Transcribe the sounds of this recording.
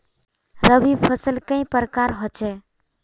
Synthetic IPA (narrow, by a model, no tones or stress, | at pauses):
ɾəbibpʰəsəlkə̃ĩpəɾəkaɾɦot͡ʃɛ